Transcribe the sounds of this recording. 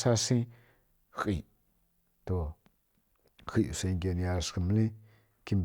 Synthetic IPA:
sa˧sĩ˦ | xi˨ | t̪o˧ | xi˨ʔse˧ŋɡʲe˧nja˧skə˧˨mlĩ˦ | ki˧mb

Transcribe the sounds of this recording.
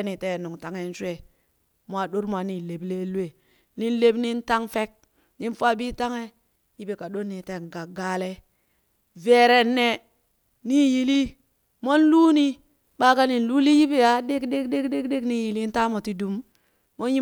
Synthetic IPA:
ni˨te˦˨nu˨ŋta˨ŋe˦n˦se˨ | mwa˨ɗo˦ɾm˨a˨ni˨le˨ble˦lu˦e˨ | ni˦nle˦bni˦nta˦ŋfe˦k̚ | ni˦nfa˦bi˦ta˦ŋe˦ | ji˦be˨ka˨ɗo˦nːi˨te˨ŋ˨ɡa˨ɡa˦le˦ | ve˨ɾe˨nːe˨ | ni˦ji˨li˦ | mo˦nlu˦ni˦ | ɓa˦ka˦ni˨nlu˦li˦ji˦be˦ja˨ɗe˦kde˦kde˦kde˦kde˦kni˦ji˨li˦n˦ta˦mo˨ti˦du˦mː | o˦nji˦

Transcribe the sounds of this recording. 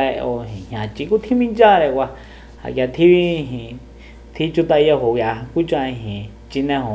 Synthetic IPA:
e˧o˧ɦĩ˨hã˨t͡ʃi˧ku˦t̪ʰi˦mĩ˦t͡ʃã˦˧ɾe˧kʷa˧ | ha̰˨k̬ʲja˧t̪ʰi˦βi˦˧ɦĩ˧ | t̪ʰi˦t͡ʃu˧t̪a˧jo˧ɦo˨kja˨˧ku˦t͡ʃã˧ĩ˧ɦĩ˨ | t͡ʃi˧nẽ˧hõ˨

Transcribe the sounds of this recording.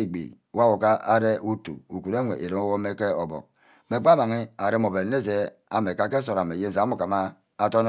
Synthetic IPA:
e˨ɡ͡bḭ˨ | wa˦wo˨ka˦a˦ɾe˦ʔu˦tṵ˨u˨ku˨ɾe˦ŋʷḛ˨ʔe˨ɾe˨˦o˦wo˦me˦ke˦o˨bɔ̰˨k̚ | me˨k͡pa˦ma˨ŋi˦a˨ɾe˦mo˨be˨ne˦˨ze˦ | a̰˨me˨ka˦ke˦s̬o˨ɾa˨me˨je˦˨za˨˦mu˨ka˨maː˦ | to˦n˦

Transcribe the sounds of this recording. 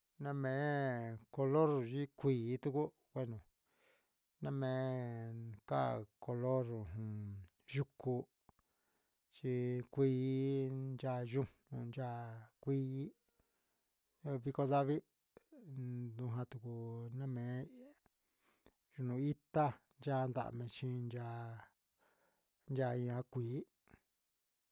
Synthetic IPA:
nã˦mẽ˨˦ko˧lo˦ɾʒi˦kʷiː˨˦t̪u˦ku˦ | wʷe˦nũ˨ | nã˦mẽ˨˧˦ka̰˦ko˧lo˦ɾɦũ˨˧˨ | ʒu˧ku˧ | t͡ʃi˧kʷiː˦˧˦nd͡ʒa˧ʒu˧nũ˧nd͡ʒa˧kʷi˦ | βi˧ko˧ða˦βi˦ | d̪ũ˧ɦã˧t̪u˨ku˧nã˦mẽ˨˦ | ʒu˧nũ˧i˦t̪a˦nd͡ʒa˦˧nd̪a̰˧˨mẽ˧t͡ʃĩ˧nd͡ʒa˧ | nd͡ʒa˧i˧ã˧˦kʷiː˨˦

